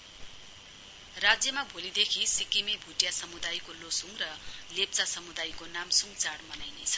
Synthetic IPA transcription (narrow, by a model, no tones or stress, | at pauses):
rad͡zjʌmabʱolid̪ekʰisikimebʱuʈjasʌmud̪ajkolosuŋrʌlep̚t͡sasʌmud̪ajkonamsuŋt͡saɽmʌnajnet͡sʰʌ̥